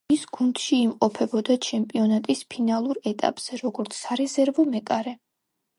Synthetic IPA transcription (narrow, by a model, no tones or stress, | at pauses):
isɡ̥und̪̥ʃiːmqʼɔpʰɛbɔd̪at͡ʃʰɛmpʼiɔnat̪ʼispʰinalˠuɾɛt̪ʼa̰pʼz̥ɛɾɔɡɔɾt̪sʰːaɾɛzɛɾvɔmɛkʼaɾɛ